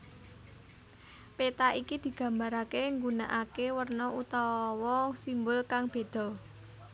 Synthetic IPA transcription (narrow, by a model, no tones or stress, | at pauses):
pet̪aʔikid̪̥i̤ɡ̥ä̤mbaɾakeŋɡuna̰ʔakewərnɔʔut̪ɔwɔsimbʊlkaŋb̥e̤d̪̥ɔ̤